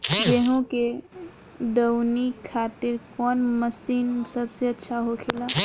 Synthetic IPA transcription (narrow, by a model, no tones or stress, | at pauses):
jeɦũke | ɖəwnikʰaːt̪ɪɾkɔːnməsiːnsəbseətːʃʰaɦokʰela